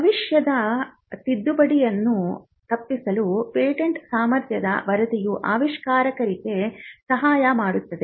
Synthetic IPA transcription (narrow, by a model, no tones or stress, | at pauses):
ɐʋiʂjɐd̪ɐ | t̪id̪ːubɐɽijɐnːu | t̪ɐpːisɐlupeːʈeɳʈsaːmɐɾt̪jɐd̪ɐ̰ʋɐɾɐd̪ijuʔaːʋiʂkaːɾɐkɐɾiɡe̞sɐɦaːjɐmaːɽut̪ːɐd̪e